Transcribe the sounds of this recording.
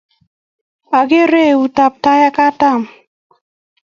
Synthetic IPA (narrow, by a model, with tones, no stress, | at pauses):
a˨ɡe˦ɾe˦˨u˨ta˨p̚ta˦ja˦ka˦ta˦˨m